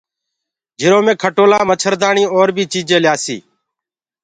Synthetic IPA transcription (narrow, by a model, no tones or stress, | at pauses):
d͡ʒʱɪɾoːmẽːkʰəʈoːlaːmət͡ʃʰəɾd̪aːɳiːoːɾbʱiːt͡ʃiːd͡ʒeːljaːsḭː